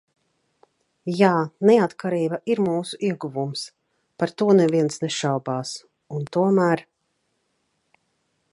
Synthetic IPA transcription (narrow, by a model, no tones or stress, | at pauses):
jaːnɛat̪kaɾiːbaʔiɾmuːsuiɛɡuvums | paɾt̪uɔnɛviɛnsneʃawbaːs | unt̪uɔmæːɾ